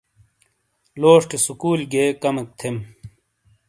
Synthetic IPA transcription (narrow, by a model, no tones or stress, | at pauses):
loːʂʈesukuːlɡeːkɐmek̚t̪ʰem